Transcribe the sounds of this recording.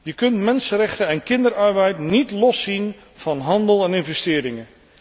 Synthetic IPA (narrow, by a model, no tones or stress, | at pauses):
jəkɵntmɛnsənɾɛχtəɛnkɪndəɾɑɹbɛjtnitlɔsin | v̥ɑnɦɑndəlˠɛnɪnvɛstɪːɾɪŋən